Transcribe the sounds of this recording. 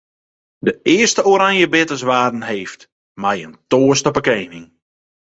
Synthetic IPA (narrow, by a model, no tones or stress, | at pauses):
dəʔɪəstəoɾaŋjəbɪtəsʋaːdn̩heːft | mɛjəntoːəstɔpəkeːnɪŋ